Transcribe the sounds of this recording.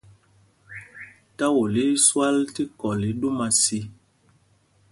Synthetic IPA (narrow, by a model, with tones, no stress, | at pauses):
ta˦wo˨li˦swa˦lti˦kɔ˨li˨˦ɗu˦ma˨si˦